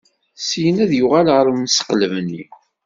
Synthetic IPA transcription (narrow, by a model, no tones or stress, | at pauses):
sijənæðjʊʁalʁəɾˤmnsə̥qləvnːḭ